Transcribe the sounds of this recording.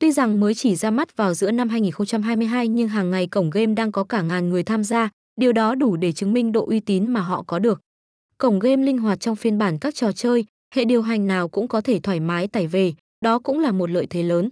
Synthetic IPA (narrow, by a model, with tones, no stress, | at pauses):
t̪wi˧za˨˩ŋməː˨˦jt͡ɕi˧˩zaː˧ma˦˥t̚vaː˨˩wzɨ̰˧˥əna˧mhɦaː˧jŋi˨˩nxə˧wŋ͡mt͡ɕa˧mɦaː˧jmɨ˧əjɦaː˧jɲɨ˧ŋɦaː˨˩ŋːa˨˩jkə˧˩wŋ͡mɣe˧mɗaː˧ŋkɔ˨˦kaː˧˩ŋaː˨˩nŋɨ˨˩əjt̪ʰaː˧mzaː˧ | ɗi˨˩əwɗɔ˨˦ɗu˧˩ɗe˧˩t͡ɕɨ˨˦ŋmï˧ŋ̟ɗo̰˧˨ʔwi˧t̪i˨˦nmaː˨˩ɦɔ̰˧˨kɔ˨˦ɗɨ˨˩ək̚ | kə˧˩wŋ͡mɣe˧mlï˧ŋ̟ɦwaː˨˩t̚t͡ɕɔ˧wŋ͡mfi˧ənɓaː˧˩nkaː˦˥k̚t͡ɕɔ˨˩t͡ɕəː˧j | hḛ˧˨ɗi˨˩əwɦa˨˩jŋ̟naː˨˩wkʊ̰˧˥ŋ͡mkɔ˨˦t̪ʰe˧˩t̪ʰwaː˧˩jmaː˨˦jt̪aː˧˩jve˨˩ | ɗɔ˨˦kʊ̰˧˥ŋ͡mlaː˨˩mo˨˩t̬̚lə̰ː˧˨jt̪ʰe˨˦ləː˨˦n